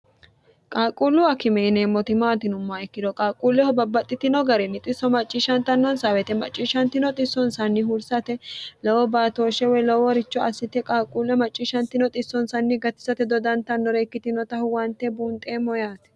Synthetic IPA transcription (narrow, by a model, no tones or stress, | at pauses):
kʼaːkʼulːʊɐkɪmɛɪneːmːɔt̪ɪmaːt̪ɪnʊmːaɛkːɪd̪ɔkʼaːkʼuːlːɛhɔbɐbːɐt̪ʼːɪt̪ɪnɔɡɐɾɛnːɪt̪ʼɪsːɔmɐt͡ʃʼːiʃɐnt̪ɐnːɔnsawɛt̪ɛmɐ̰t͡ʃʼːiːʃɐnt̪ɪnɔt̪ʼɪsːɔnsɐnːɪhʊɾsɐt̪ɛlɔwɔbaːt̪oːʃɛwɛlɔwɔɾɪt͡ʃːɔɐsːɪt̪ɛkʼaːkʼːuːlːɛmɐt͡ʃʼːiʃɐnt̪ɪnɔt̪ʼɪsːɔnsɐnːɪɡɐt̪ːɪ̥sɐt̪ɛd̪ɔd̪ɐnt̪ɐnːɔɾeːkːɪt̪ɪnɔt̪ɐhʊwɐnt̪ːɛbuːnt̪ʼeːmːɔjaːt̪ɛ̥